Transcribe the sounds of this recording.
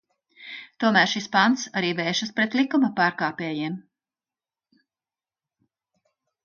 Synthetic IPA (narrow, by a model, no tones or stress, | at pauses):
t̪uɔmæːɾʃispant̪saɾiːvɛːʃɐspɾet̪lˠikumɐpaːɾkaːpɛːjim